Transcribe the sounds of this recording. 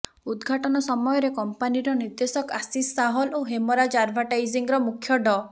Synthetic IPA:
ud̪ɡʱaʈɔnɔsɔmɔjɔɾekɔmpaniɾɔniɾd̪esɔkasisːaɦɔloɦemɔɾad͡ʒaɾbʱaʈajziŋɾɔmukʰjɔɖɔ

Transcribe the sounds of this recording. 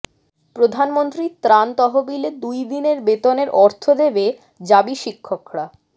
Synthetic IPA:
pɾod̪ʱanmont̪ɾit̪ɾant̪ɔɦobiled̪ujd̪ineɾbet̪oneɾʔɔɾt̪ʰod̪ebe | d͡ʑabiʃikʰːokɾa

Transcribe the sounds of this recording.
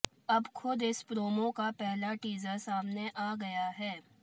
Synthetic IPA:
ɐbxʰʊd̪ɪspɾoːmõkapɛɦlaʈiːzəɾsaːmneʔaːɡɐjaɦɛː

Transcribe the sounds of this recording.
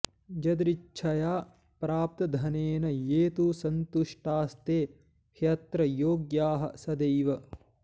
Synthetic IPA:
d͡ʒɐd̪ɾit͡ʃʰɐjaː | pɾaːp̚t̪ɐd̪ʱɐneːnɐjeːt̪usɐnt̪uʂʈaːst̪eː | kʰjɐt̪ɾɐjoːɡjaːɦɐ̰̆sɐd̪ɐjʋɐ

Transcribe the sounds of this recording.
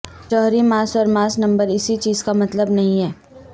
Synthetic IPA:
t͡ʃɔːɦɾimaːsɔːɾmaːsnɐ̃mbəɾɪsit͡ʃiːzkamɐt̪ləbnɐɦĩɦɛː

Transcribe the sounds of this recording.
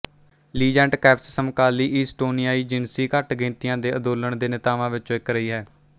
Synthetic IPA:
liːd͡ʒɛ̃ːɳʈkɛːpssəmkaːliːʔiːsʈoːnɪjaːiːd͡ʒɪnsiːkəʈɡẽːnt̪ɪjãːd̪eːəd̪oːləɳd̪eːnɪt̪aːʋãːʋɪt͡ʃõɪkɾəiːɦɛː

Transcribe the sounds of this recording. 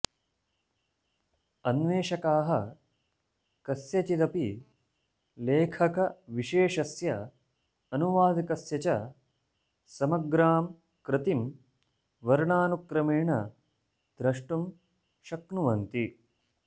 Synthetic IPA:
ɐnʋeːʃɐkaːɦɐ | kɐsjɐt͡ʃid̪ɐpi | leːkʰɐkɐʋiʃeːʃɐsjɐ | ɐnuʋaːd̪ikɐsjɐt͡ʃɐ | sɐmɐɡɾaːm | kɾɪt̪im | ʋɐɾɳaːnukɾɐmeːɳɐ | d̪̥ɾɐʂʈum | ʃɐknuʋɐnt̪i

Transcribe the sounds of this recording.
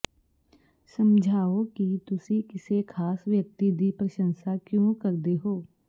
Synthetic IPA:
səmd͡ʒʱaːokit̪ʊsikɪsekʰaːsʋjək̚t̪id̪ipɾəʃə̃nsakjõkəɾd̪eɦoː

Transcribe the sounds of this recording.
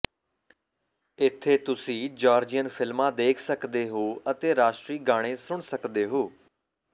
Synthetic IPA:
ɪt̪ʰːeːt̪ʊsĩːd͡ʒaːɾd͡ʒijənpʰɪlmãːd̪eːkʰsəkd̪eːɦoːət̪eːɾaːʃʈɾiːɡaːɽ̃ẽːsʊɳsəkd̪eːɦoː

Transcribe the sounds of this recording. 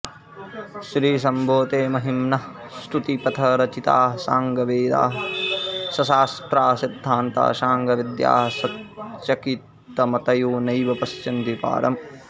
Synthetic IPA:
ʃɾiːs̬ɐmbʱoːt̪eːmɐɦimnɐ | sʈ̪ut̪ipɐt̪ʰɐɾɐt͡ʃit̪aːɦɐsaːŋɡɐʋeːd̪a̰ːɦɐ | sɐsaːst̪ɾaːsid̪ʱːaːnt̪a̰ːʃaːŋɡɐʋid̪ja̰ːɦɐsɐtt͡ʃɐkit̪ːɐmɐt̪ɐjuːnɐjʋɐpɐst͡ʃɐnd̪ipa̰ːɾɐm

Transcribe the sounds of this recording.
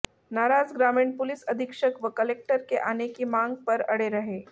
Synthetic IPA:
naːɾaːd͡zɡɾaːmɪɳpʊlɪsɐd̪ʱikʃəkʋəkəlek̚ʈəɾkeʔaːnekimãŋɡ̚pɐɾɐɽeɾɐɦeː

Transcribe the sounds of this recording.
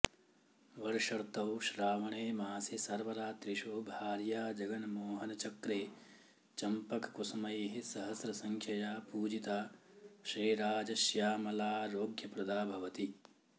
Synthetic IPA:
ʋɐɾʃɐɾt̪ɐwʃɾaːʋɐɳeːmaːsisɐɾʋɐɾaːt̪ɾiʃoːbʱaːɾjaːd͡ʒɐɡɐnmoːɦɐnɐt͡ʃɐkɾeː | t͡ʃɐmpɐkkusɐmɐjeɦisɐɦɐsɾɐsɐŋkʰjɐjaːpuːd͡ʒit̪aːʃɾiːɾaːd͡ʒɐʃjaːmɐlaːɾoːɡjɐpɾɐd̪aːbʱɐʋɐt̪i

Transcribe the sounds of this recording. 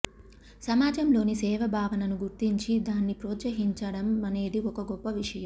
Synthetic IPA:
sɐmaːd͡ʒɐmlo̞ːnisɛːʋɐbʱaːʋɐnɐnuɡuɾt̪iɲt͡ʃid̪aːnːipɾɔːt̪sɐɦiɲt͡ʃɐɽɐmɐne̞ːd̪iɔkɐɡɔpːɐʋiʂɐjɐmm

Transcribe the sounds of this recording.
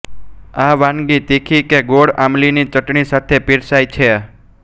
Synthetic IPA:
aʋãnɡit̪ikʰikeɡoɽamlinit͡ʃəʈɳisat̪ʰepiɾsajt͡ʃʰe

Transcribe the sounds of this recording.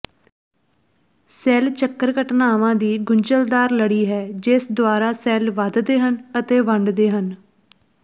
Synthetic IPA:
sɛːlt͡ʃəkːəɾkəʈnaːʋãːd̪iːɡʊɲt͡ʃəld̪aːɾləɽiːɦɛːd͡ʒɪsd̪ʊwaːɾaːsɛːlʋəd̪d̪eːɦənət̪eːʋəɳɖd̪eːɦən

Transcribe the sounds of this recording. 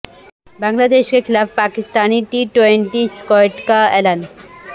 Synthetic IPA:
baŋlad̪eʃkekʰilafʰpakist̪aniʈiʈweɳʈiskɔjʈkaɛlan

